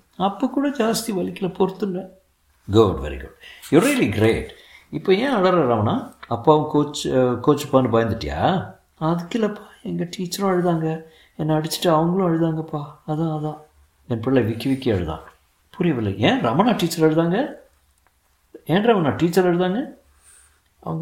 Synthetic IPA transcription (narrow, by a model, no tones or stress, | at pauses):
ɐpːoːkːuːɽɐd͡ʒaːst̪iʋɐlɪkːɪlɐpɔɾɯt̪ːɯnːɐ | ɡʊɖʋɛ̰ɾḭɡʊ̰ɖjɔɾiːliɡɾeːʈ | ɪpːoːẽːɐɽɐɾɐ̃ɾɐmɐnaːɐpːaːɐʋɐ̃koːt͡ʃːkoːt͡ʃːɯpːaːnɯbɐːjnd̪ɯʈːɪja̰ː | ɐðɯkːɪlɐpːḁːɛŋɡɐʈiːt͡ʃːɐɾʊ̃ɐɻɯðaːŋɡɐ | ɛnːɐːɽɪt͡ʃːɪ̥ʈːɯɐʋɐŋɡɐɭʊ̃ɐɻɯðaːŋɡɐpːaːɐðãːɐðãː | ɛnpɪɽɪlɐʋɪkːɪʋɪkːɪɐ̰ɻɯðã̰ː | pʊɾɪjɐʋɪlːɐ̰ẽːɾɐmɐnaːʈiːt͡ʃːɐɾɛɻɯðaːŋɡɐ | ẽːnɾɐmɐnaːʈiːt͡ʃːɐɾɛɻɯðaːŋɡɐ | ɐ̰ʋɐŋɡ